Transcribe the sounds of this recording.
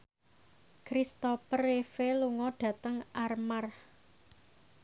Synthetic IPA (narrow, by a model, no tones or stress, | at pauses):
kɾist̪ɔpərefeluŋɔɖ̥ä̤t̪əŋarmar